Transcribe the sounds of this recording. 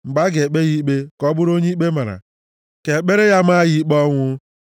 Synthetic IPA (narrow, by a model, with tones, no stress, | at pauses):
ŋ͡m̩˨ɡ͡ba˦ɡe˨k͡pe˦ɣi˦k͡pe˦kɔ˦bʊ˦ɾo˦ɲe˦k͡pe˦ma˨ɾa̰˨ | ke˨k͡pe˦ɾe˦ja˦m̩˦a˦ɣi˦k͡pɔ˦ŋʷʊ˦